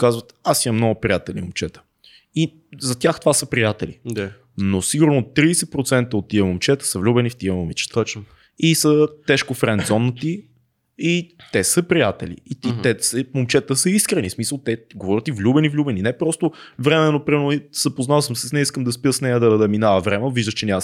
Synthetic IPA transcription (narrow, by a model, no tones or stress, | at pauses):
kazvət̪asiɐmnɔɡʊpɾijat̪ɛlḭmomt͡ʃɛt̪ə̥ | i | zɐt̪ʲaxt̪ovasəpɾijat̪ɛlḭd̪a | nosiɡʊɾnot̪ːɾiːsɛpɾot̪sɛnt̪əot̪ːiəmomt͡ʃɛt̪ə̥səvlʲubɛnift̪iəmomit͡ʃɛ̥t̪ | isət̪ɛʃkofɾɛnd̪zɔnːət̪i | it̪ɛsəpɾijat̪ɛlḭːt̪it̪ɛsɛmomt͡ʃɛt̪əsəiskɾɛnismisəlˠt̪ɛɡovɔɾʲət̪ivlʲubɛnivlʲubɛninɛpɾɔst̪ovɾɛmɛnopɾimɛɾnz̥əpoznavsəmsɛsnɛiskəmd̪ɐspiəsnɛjəd̪ɐd̪ɐminavəvɾɛmɛviʒd̪əʃt͡ʃɛnʲa